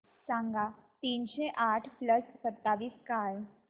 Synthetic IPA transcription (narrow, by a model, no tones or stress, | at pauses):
sãːŋɡat̪iːnʃeʔaːʈʰpləssɐt̪ːaːʋiːskaːl